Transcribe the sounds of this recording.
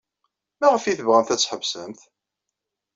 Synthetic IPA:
mæʁəfiθəvʁæmθæt͡sːħəvsæmθ

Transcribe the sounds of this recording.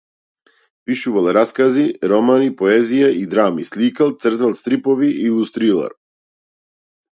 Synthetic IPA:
piʃuvalˠɾaskaziɾɔmanipɔɛzijaʔid̪ɾamislikalˠt̪sr̩zalˠst̪ɾipɔviʔilˠust̪ɾilˠa̰ɾ

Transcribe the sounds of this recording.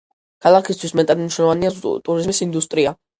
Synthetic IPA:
kʰalˠakʰist̪ʰwismɛt̪ʼad̪mniʃnɔlˠɔvaniat̪ʼuɾizmisind̪ust̪ʼɾia

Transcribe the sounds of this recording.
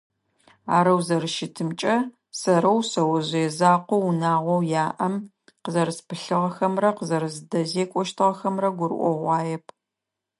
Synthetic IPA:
aːɾɐwzɐrɨʃɪtʰɨmt͡ʃʼɐ | sɐɾɐwsɐwɐʑɛzaːqʷɔwunaːʁʷɔwjaːʔɐm | qəzɐɾɨspʰɨɬɨʁɐxɐmrɐqəzɐɾɨzdɐzeːkʷʼɔʃtʰɨʁɐxɐmrɐɡʷʊɾ̰ʔʷɔʁʷɑːjɛpʰ

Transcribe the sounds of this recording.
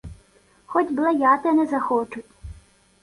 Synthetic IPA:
xɔtʲblˠɐjɑt̪ɛnɛzɐxɔt͡ʃʊtʲ

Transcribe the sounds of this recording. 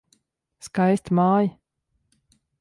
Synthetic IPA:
skajst̪maːj

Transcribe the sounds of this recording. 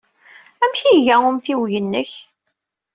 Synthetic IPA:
æmçiʝæʊmθiwʝənːəç

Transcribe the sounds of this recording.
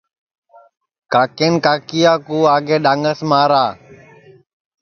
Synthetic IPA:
kaːkeːnkaːkijaːkuːaːɡeːɗaːŋəsmaːɾaː

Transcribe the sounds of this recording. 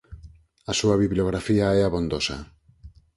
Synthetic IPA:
asuaβiβloɣ̞ɾafiaɛaβond̪osa̰

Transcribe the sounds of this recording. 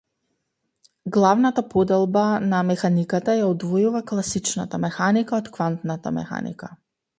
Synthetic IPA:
ɡlˠavnat̪apɔd̪ɛlˠbanamɛxanikat̪ajaɔd̪vɔjuvaklˠasit͡ʃna̰t̪amɛxanikaɔt̪kvant̪nat̪a̰mɛ̰xa̰nḭka

